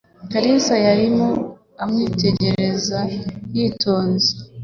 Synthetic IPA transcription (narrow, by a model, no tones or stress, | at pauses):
kaɾisajaɾimo | amŋiːte̞ɟe̞ɾe̞zajiːtʰo̞ːnze̥